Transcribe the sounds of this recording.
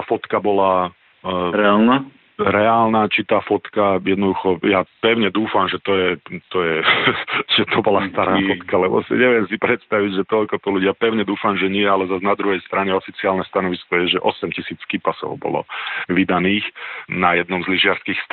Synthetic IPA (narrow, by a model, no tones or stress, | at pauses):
afɔt̪kabɔla | ɾɛaːlna | ɾɛaːlnaːt͡ʃit̪aːfɔt̪kajɛd̪nɔd̪uxɔjapɛʊɲɛd̪uːfamʒɛt̪ɔjɛt̪ɔjɛ | ʒ̥ɛt̪ʰɔbɔlast̪aɾaːfɔt̪kalɛbɔ̰sḭɲɛʋɪɛmsipɾɛt̪st̪aʋiɟʒɛt̪ɔʎkɔt̪ɔluɟɪapɛʊɲɛd̪uːfamʒɛɲɪɛalɛzaznad̪ɾuɦɛjst̪ɾaɲɛɔfit͡siaːlnɛst̪anɔʋiskɔjɛʒɛʔɔsɛmcisiːt͡skipasɔ̰ʊbɔ̰lɔ̰ʋid̪aniːxnajɛd̪nɔmzliʒɪaɾskiːxst̪